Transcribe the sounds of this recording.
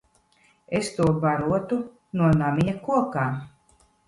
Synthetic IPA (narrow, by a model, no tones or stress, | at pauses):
est̪uɔbaɾuɔt̪u | nuɔnamʲiɲakuɔkaː